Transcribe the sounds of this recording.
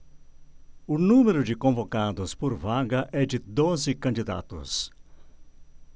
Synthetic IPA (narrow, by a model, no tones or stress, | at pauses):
ʊnũmeɾʊd͡ʒɪkõvokad̪ʊspoɾvaɡɐʔɛd͡ʒɪd̪ozɪkɐ̃nd͡ʒid̪a̰t̪ʊ̰s